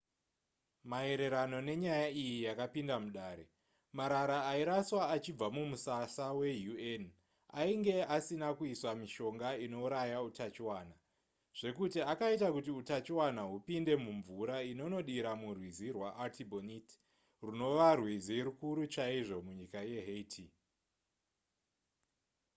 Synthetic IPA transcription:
mae̞ɾe̞ɾano̞ne̞ɲajaijijakapindamuɗaːɾe̞ | maɾaɾaːiɾaswaːt͡ʃib͡vamumusasawe̞juen | a̰iŋɡe̞asinakuiswamiʃo̞ŋɡaino̞uɾajautat͡ʃiwaːna | ʐ̥e̞kutiakaitakutiutat͡ʃiwanaɦupinde̞muɱvuɾaino̞no̞ɗiɾamurwizirwaʔatʰibonit | runo̞ʋarwiziɾukuɾut͡ʃaiʐo̞muɲikaje̞ɦetʰi

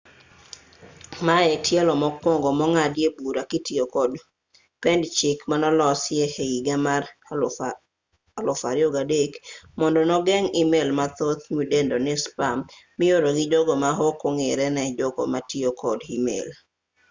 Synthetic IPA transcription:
maɛtʰjɛlɔmɔkwɔŋɡɔmɔŋadjebuɾakitiokɔd | pɛndt͡ʃɪkmanɔlɔsjɛheiɡama | lɔfaɾɪoɡadekmɔndɔnɔɡɛŋimelmat̪ot̪mudendɔnɪspam | mɪoɾoɡɪd͡ʒɔɡɔmaɦokoŋeɾɛnɛd͡ʒɔɡɔ̰matiokʰɔdimḛl

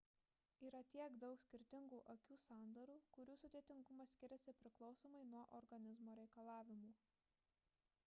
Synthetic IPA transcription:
iːɾɐt̪ʲiɛɡd̪ɒʊksʲkʲɪɾʲt̪ʲɪŋɡuːʔokʲuːsɑˑnd̪ɐɾuːkʊɾʲuːsʊd̪ʲiɛt̪ʲɪŋɡʊmɐsʲkʲɪɾʲɛsʲɪpʲɾʲɪklˠɒʊsoːmɐɪnuɔʔɔɾɡɐnʲɪzmoːɾʲɛɪkɐlˠɑːʋʲɪmuː

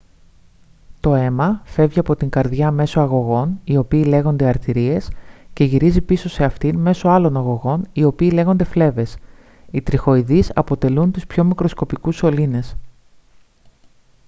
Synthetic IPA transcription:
t̪o̞e̞mɐfe̞vʝiɐpo̞t̪iŋɡɐɾðʝɐme̞so̞ɐɣo̞ɣo̞nio̞piːle̞ɣo̞nd̪e̞ɐɾt̪iɾie̞sce̞ʝiɾizipiso̞se̞ɐft̪inme̞so̞ɐlo̞nɐɣo̞ɣo̞nio̞piːle̞ɣo̞nd̪e̞fle̞ve̞s | it̪ɾixo̞iðisɐ̰po̞t̪e̞lunt̪uspço̞mikɾo̞sko̞pikuso̞line̞s

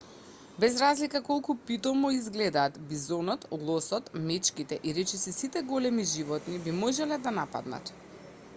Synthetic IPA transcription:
bɛzɾazlikakɔlˠkupit̪ɔmɔizɡlɛd̪aːt̪bizɔnɔt̪ɡlˠɔsɔt̪mɛt͡ʃkit̪ɛʔiɾɛt͡ʃɛsɛsit̪ɛɡɔlɛmiʒivɔt̪nibimɔʒɛlɛd̪anapa̰d̪na̰t̪

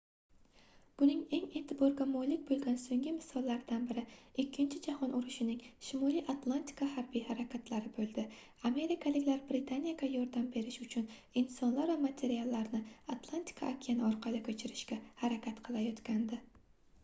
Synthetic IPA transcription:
b̥ʊnɪŋe̞ŋe̞t̪ʰɪbɒɾɡʲamɒlɪk̚ʲbolˠɡʲansoŋɡʲɪmɪsɒlˠːaɾɪd̪anbɪɾɪɪkʲʰːɪnt͡ʃʰɪd͡ʒahɒnʔʊɾʊʃɪnɪŋʃɪmɒlˠijʔat̪lˠant̪ʰi̥kʰahaɾbijhaɾakʲʰat̪ʰlaɾɪbolˠd̪ɪ | ame̞ɾɪkʰalɪkʲlaɾbɾɪt̪ʰanijaɡʲajɒɾd̪ambe̞ɾɪʃʊt͡ʃʰʊnɪnsɒnlaɾvamat̪ʰe̞ɾialˠːaɾnɪat̪lˠant̪ʰi̥kʰa̰ʔːkʲʰijanɪɒɾqʰɑlˠɪkʲʰɵt͡ʃʰɪɾɪʃkʲahaɾakʲat̪qʰɨlˠajɒt̪kʲand̪ɪ

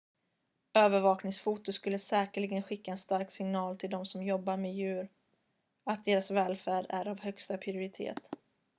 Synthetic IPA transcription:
øːvəɾvɑːknɪŋsfuːt̪ʊskɵlːəsɛːkəɭɪɡənɧɪkːaɛnst̪aɾksɪŋnɑːlt̪ʰɪld̪ɔmsɔmjɔbːaɾmejʉ̟ːɾ | at̪̚d̪eːɾasvɛːlfæːɖæ̰ɾavhœkst̪apʰɾɪʊɾɪt̪ʰḛːt̪

